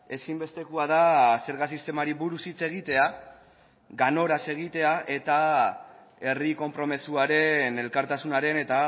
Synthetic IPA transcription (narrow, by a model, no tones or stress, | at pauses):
e̞simbe̞st̪e̞kuaðase̞ɾɣasist̪e̞maɾiβuɾusit͡se̞ɣ̞it̪e̞a | ɡano̞ɾase̞ɣ̞it̪e̞aʔe̞t̪a | e̞riko̞mpɾo̞me̞suaɾe̞ne̞lkaɾt̪asunaɾe̞ne̞t̪a